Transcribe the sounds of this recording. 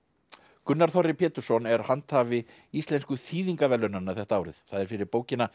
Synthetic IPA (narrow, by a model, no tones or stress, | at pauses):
kʏnːaɾ̥θɔrɪpʰɛːt̪ʏɾ̥sɔnɛɾ̥hant̪havɪ | ist̪lɛnskʏθiːðiŋkavɛlœnanːaθɛht̪aaːwɾɪθθaðɛɾ̥fɪɾɪɾpoːwcɪna